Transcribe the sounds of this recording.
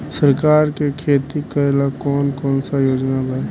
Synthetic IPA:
səɾkaːɾkekʰeːt̪ikəelakɔːnkɔːnsajoːd͡ʒnaba

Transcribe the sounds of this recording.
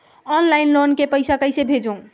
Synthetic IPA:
ɔnlajnlonkepəjsakəjsebʱed͡ʒõ

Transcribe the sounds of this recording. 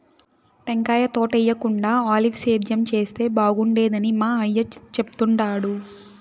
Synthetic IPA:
ʈeŋkaːjɐt̪oːʈɛjːɐkuɳɖaːaːliʋseːɾd̪ʱjɐmt͡ʃe̞ːst̪e̞ːbaːɡuɳɖeːd̪ɐnimaːɐjːɐt͡ʃepu̥t̪uɳʈaːɽu

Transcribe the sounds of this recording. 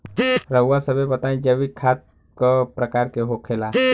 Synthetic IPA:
ɾəwasəbebət̪aːĩd͡ʒəʋikʰaːt̪̚ | kəpɾəkaːɾkeɦokʰeːlaː

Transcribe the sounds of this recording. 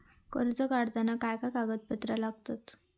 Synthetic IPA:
kə̰ɾt͡səkaɽt̪anakajkakaɡət̪̚pət̪ɾəlaɡ̚t̪at̪

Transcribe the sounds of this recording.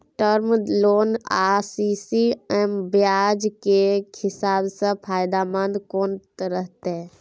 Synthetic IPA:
ʈəɾmloːnaːsisiembjaːd͡ʒkekʰɪsaːbsə̃pʰaːjd̪amə̃nd̪koːnt̪ɾəɦt̪e

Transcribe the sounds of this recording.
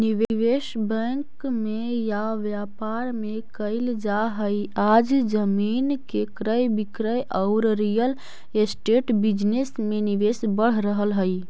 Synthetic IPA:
niʋeʋesbə̃ŋkmejaʋjapaɾmekəɪld͡ʒaɦəjad͡ʒd͡ʒəminkekɾəjbikɾəjʔəʊɾɾijəl | esʈeʈbid͡ʒnesmeniʋesbəɽ̤ɾəɦəlɦəj

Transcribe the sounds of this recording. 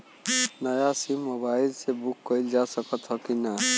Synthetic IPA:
nəjasimːobailsebukːəjld͡ʒasəkət̪ɦɔkina

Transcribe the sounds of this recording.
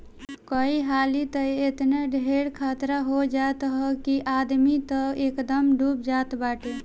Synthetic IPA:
kəiɦalit̪əet̪neɖʱeɽkʰat̪ɾaɦod͡ʒat̪ɦəkiʔad̪mit̪əekd̪əmɖup̚d͡ʒat̪baʈe

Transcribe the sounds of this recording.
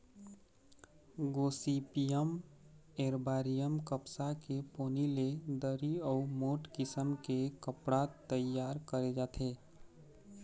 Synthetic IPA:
ɡoːsipijəmeːɾbaːɾijəmkəpsakepoːniled̪əɾiɔːmoːʈkɪsəmkekəpɽat̪ːəjaːɾkəɾed͡ʒaːt̪ʰeː

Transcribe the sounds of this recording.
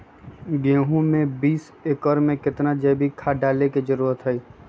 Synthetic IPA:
ɡeːɦũmẽbiːs | eːkɔɾmẽkɪt̪nad͡ʒɛːbʱikʰaːɖaːlekid͡ʒəɾuːɾət̪ɦɛi

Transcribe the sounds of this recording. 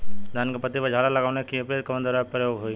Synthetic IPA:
d̪ʱaːnkapət̪ːipəd͡ʒʱaːlalɐɡaːʋnekiɐpɾeːd̪̚kɐmənd̪əɾapəɾjoːɡɦoiː

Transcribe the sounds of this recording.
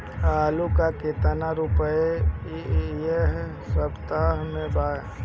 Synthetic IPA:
aːlukaket̪ənaɾupəe | jeɦ | səbt̪aɦmẽbaːe

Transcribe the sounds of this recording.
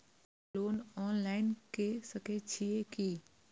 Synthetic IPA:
loːnɔːnlaːɪnkesəket͡ʃʰieki

